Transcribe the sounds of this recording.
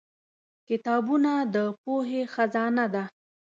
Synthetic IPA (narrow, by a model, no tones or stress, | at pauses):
kɪt̪ɑbunad̪əpoɦexazɑnad̪a